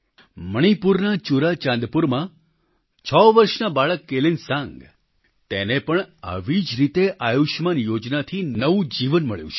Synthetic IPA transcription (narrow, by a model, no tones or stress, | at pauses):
məɽ̃ipuɾnat͡ʃuɾat͡ʃãnd̪puɾmã | t͡ʃʰəʋəɾʃnabaɭəkːelinsãŋɡ | t̪enepəɳa̰ʋid͡ʒɾit̪eʔajuʃmanjod͡ʒnat̪ʰinəʋũd͡ʒiʋənməɭjṵ̃t͡ʃʰ